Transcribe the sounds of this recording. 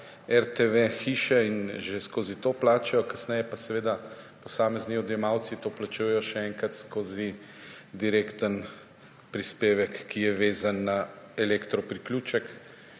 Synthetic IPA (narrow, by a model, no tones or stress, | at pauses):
ɛɾt̪eʋexiːʃɛinʒeskoːzit̪oːplaːt͡ʃɛjɔkɐsnɛjɛpasɛʋeːd̪a | pɔsaːmɛzniɔd̪jɛmawt̪sit̪oːplat͡ʃuːjɛjɔʃɛɛŋkɾat̪skoːzi | d̪iɾeːkt̪ən | pɾispeːʋɛkːijɛʋeːzanːa | ɛlekt̪ɾɔpɾiklʲuːt͡ʃɛk